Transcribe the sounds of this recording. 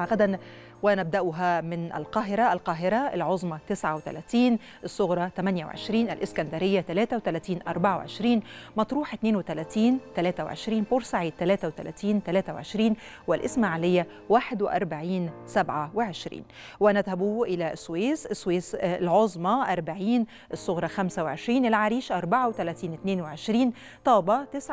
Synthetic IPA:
ʔaɣæd̪æn | wnæb̚d̪æʔʊɦæmɪnʔɪ̰lqɑːɦɪɾɑɪlqɑːɦɪɾɑɪ̰lʕozˤmɑt̪ɪsʕawɪt̪æ̰læːt̪iːn | ʔɪsˤːʊɣɾˤɑt̪æmænjaw̰ʕḛʃɾiːnʔɪ̰lʔɪskænd̪æɾɪjːat̪ælæːt̪awt̪ælæːt̪iːnʔɑ̰ɾˤbɑʕaw̰ʕḛʃɾiːnmɑt̪ˤɾuːħʔɪt̪neːnwɪt̪ælæːt̪iːnt̪ælæːt̪æwʕḛʃɾiːnfuɾsaʕiːt̪ːælæːt̪æwɪt̪æ̰læ̰ːt̪iːnt̪ælæːt̪awʕeʃɾiːn | wɪlʔɪsmaʕalɪjːa | waːħɪd̪wɪʔɑ̰ɾˤbaʕiːnsabʕawɪʕɪʃɾḭːn | wʔænæðhæbuːʔɪlæsːwiːsɪsːwiːslʕozˤmɑʔɑɾˤbaʕiːn | ʔɪsˤːʊɣɾˤɑxæmsawɪʕɪʃɾiːnʔɪlʕaɾiːʃʔɑɾˤbaʕawɪt̪ælæːt̪iːnɪt̪neːnwɪʕɪʃɾiːn | t̪ˤɑːbɑt̪ɪsʕ

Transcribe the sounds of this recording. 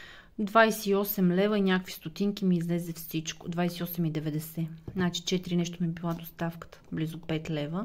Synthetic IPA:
d̪vajsɛiɔsɛmlɛvəinʲakəkvi̥st̪ot̪iŋkimiːzlɛzɛfsit͡ʃko̰d̪vajsɛiɔsɛmid̪ɛvɛd̪ɛsɛnat͡ʃi̥t͡ʃɛt̪iɾinɛʃt̪omibilˠad̪ost̪afkə̥t̪ə̥blizopɛt̪lɛvə

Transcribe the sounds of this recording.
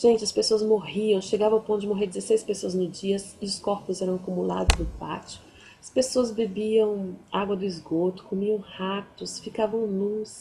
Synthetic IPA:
ʒ̥ẽnt͡ʃɪɐspesoɐzmoɦiɐ̃w̃ʃeɡavɐ̃wpõt̪ʊd͡ʒɪmoɦeɾd͡ʒɪzesejspesoɐznʊd͡ʒiɐsɪʊskɔɾpʊzɛɾɐ̃w̃akumula̰d̪ʊzd̪ʊpa̰t͡ʃɪʊ̥ | ɐspesoɐzbebiɐ̃w̃aɡwɐd̪ʊɪzɡot̪ʊ̥komiɐ̃w̃hapt̪ʊsfikavɐ̃w̃lus

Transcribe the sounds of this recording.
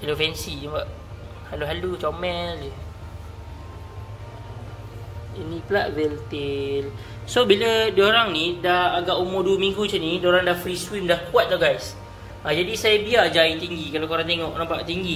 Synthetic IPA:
alofɛnsiabaʔ | haluɦalut͡ʃɔmɛl | inĩplaʔ̪̚vɛlt̪el | sobilədoɾaŋnidahaɡaʔumoduwəmiŋɡut͡ʃənidoɾaŋdafɾiswimdahkuat̪̚laɡajs | ad͡ʒadisajəbiad͡ʒait̪iŋɡikalakoɾaŋt̪eŋɔʔnampa̰ʔt̪iŋɡi

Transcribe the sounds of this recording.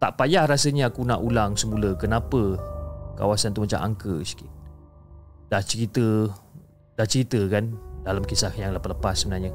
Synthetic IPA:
t̪a̰ʔpajahrasəɲaakunaʔulaŋsəmuləkənapəka̰wasant̪umat͡ʃa̰mʔa̰ŋkəskɪt̪̚ | daht͡ʃəɾit̪ə | daht͡ʃəɾit̪əkandalamkisahjaŋləpaləpasːəmənarɲa

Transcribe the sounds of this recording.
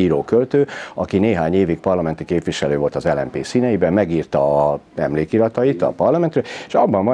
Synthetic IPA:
iːɾoːkølt̪øːɒkineːɦaːɲeːvik̚pɒrlɒmɛnt̪ikeːpʋiʃɛløːvo̞lt̪ɒzɛlɛmpḛːsiːnɛjibɛmːɛɡiːrt̪ɒɛmleːkiɾɒt̪ɒjit̪ɒ̰pɒrlɒmɛnt̪røːleʃɒbːɒɱvɒ

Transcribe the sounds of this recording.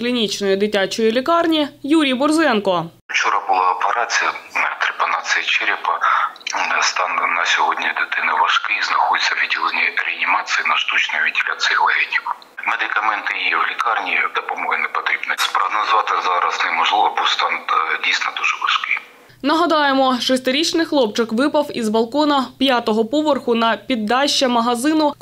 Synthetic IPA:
klʲinʲit͡ʃnɔjid̪ɪtʲːat͡ʃɔjilʲikɑrnʲijuɾʲijbʊrzɛnkɔ | t͡ʃɔɾɐbʊlˠaɔpeɾat͡sʲɪjɐt̪ɾɪpɐnat͡s̪ʲɨjɐt͡ʃɪɾʲipɐ | st̪ɑnːɐsʲɔɦɔdʲnʲɐd̪ɪt̪ɪnɪʋɐʃkɪiznɐxɔd̪ɪt͡sʲːɐʋʲidʲilˠenʲiɾʲɛɐnʲimɑt͡sʲsʲɨjinɐʃt̪ut͡ʃnɔjʊʋʲidʲɪlʲʔa̰t͡s̪ʲɨjɪʋɐɦɛnʲik | med̪ɪkɐmɛnt̪ɪiʋlʲɪkɑrnʲiːd̪ɐpɐmɔɦɛnɛpɐt̪ɾʲibnɐspɾɐɦnɐzʋɑt̪ɪzɑɾɐsnɛmɔʒlˠɪʋɐbut̪st̪ɑndʲijsʲnɐd̪uʒɛʋɐʃkɪ | nɐɦɐd̪ɑjemɔʃɔsʲt̪ɪɾʲit͡ʃnɪxlˠɔpt͡ʃɪkʋɪpɐwizʋɐlˠkɔnɐpʲjat̪ɔɦɔpɔʋɔrxʊnɐpʲid̪ːɑʃːɐmɐɦɐzɪnʊ

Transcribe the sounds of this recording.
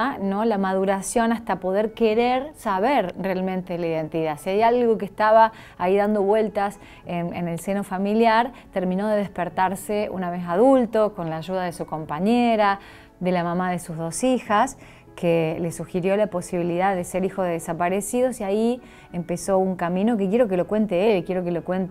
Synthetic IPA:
nolamað̞uɾasjo̞nast̪apo̞ðeɾkeɾeɾsaβeɾrealmẽnt̪eðelaiðe̞nt̪iðasiajalɣo̞kest̪aβaː | iðand̪o̞βwe̞lt̪as | enenelseno̞familjaɾ | t̪eɾmĩno̞ðeð̞ehpeɾt̪aɾseṵnaβe̞s̬aðult̪o̞ko̞nlaːʒuðaðe̞suko̞mpaɲeɾa | ðe̞lamamaðe̞suzðo̞sixas | kʰelesuxiɾjo̞lapo̞siβiliðaððeseɾixoðeðesapaɾesiðo̞siai | empeso̞uŋkamĩno̞k̬ek̬jeɾo̞k̬elokwe̞nt̪eelkjeɾo̞kelokwent̪

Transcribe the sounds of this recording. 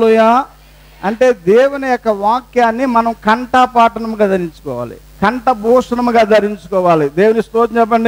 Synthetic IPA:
lujaː | ɐɳʈe̞ːd̪eːwunɐjɔkːɐʋaːkjaːnːimɐnɐmkɐɳʈaːpaːʈɐɳɐmɡaːd̪ɐɾiɲt͡ʃu̥kɔːʋa̰ːlḭ | kɐɳʈɐbʱuːʂɐnɐmɡaːd̪ɐɾiɲt͡ʃukɔːʋaːlid̪eːwunist̪oːɐt͡ʃɛp̬ːɐɳɖi

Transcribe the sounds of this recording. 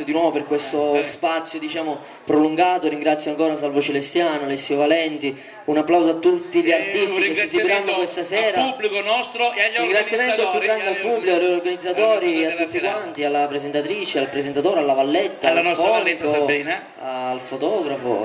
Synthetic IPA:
d̪inwɔːvoperkwest̪ospat̪sːjod̪it͡ʃaːmo | pɾoluŋɡaːt̪oɾiŋɡɾat̪sːjaŋkɔːɾas̬alvot͡ʃelest̪jaːnoalesːiovalɛnt̪i | unapːlawzoat̪ːut̪ːiʎiart̪ist̪iesisikɾanːokwest̪asɛːɾaubːlikonɔst̪ɾoaɾiŋɡɾat̪sːjamɛnt̪oappjuɡɾand̪ealpubːlikoaɾorɡanid̪zːat̪ɔːɾiat̪ːut̪ːikwant̪ialːapɾezent̪at̪ɾiːt͡ʃealpɾezent̪at̪oːɾealːavalːet̪ːalfɔnkon | alfot̪ɔːɡɾafo̰

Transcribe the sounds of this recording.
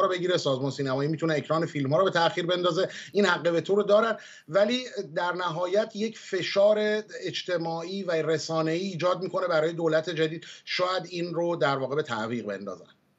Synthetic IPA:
ɾobe̞ɟiːɾesɒːzmɒːnsiːnæmɒːjiːmit̪ʰuneecʰɾɒːnefiːlmhɒːɾɔbe̞t̪ʰæxiːɾbe̞nd̪ɒːze̞iːnhæɡːeve̞t̪ʰoɾod̪ɒːɾæn | væliːd̪æɾnæɦɒːjæt̪ʰje̞cʰfe̞ʃɒːɾe̞ːd͡ʒt̪ʰe̞mɒːiːværesɒːne̞iːd͡ʒɒːd̪̚miːkʰo̞ne̞bæɾɒːjed̪oːlæt̪ʰe̞d͡ʒæd̪iːd̪̥ʃɒːjæd̪iːnrod̪æɾvɒːɣe̞be̞t̪ʰæʔviːɣbe̞̰nd̪ɒ̰ːzæ̰n

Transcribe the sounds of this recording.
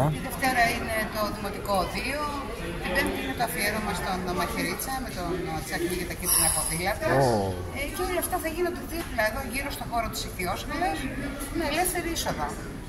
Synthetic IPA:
t̪iðeft̪e̞ɾɐine̞t̪o̞ðimo̞t̪iko̞ːðio | ipevinimet̪ɐfieɾomɐst̪o̞nðomɐçeɾit͡sɐme̞t̪ont͡sɐknicɐt̪ɐcip̪lɐpofilɐt̪ɐs | ceolɐft̪ɐθɐʝinod̪eðiop̪ipeðonʝiɾo̞st̪o̞xo̞ɾot̪i̥siθiosfɐlos | meːlefθeɾiiso̞ðɐ

